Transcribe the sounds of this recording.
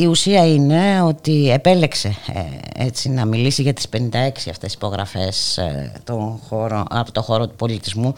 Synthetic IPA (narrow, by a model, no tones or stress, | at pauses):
iusiɐine̞o̞t̪iepe̞le̞kse̞ḛt͡sinɐmilisiʝɐt̪i̥spe̞nind̪ɐe̞ksiɐ̰ft̪e̞si̥po̞ɣɾɐ̰fe̞st̪o̞nxo̞ɾo̰ɐpot̪o̞xo̞ɾo̞t̪u̥po̞lit̪izmu